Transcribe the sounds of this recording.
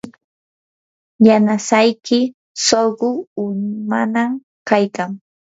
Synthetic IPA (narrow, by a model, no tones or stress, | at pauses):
janasajkɪ | soɢʊʊɲmanam | kajkaŋ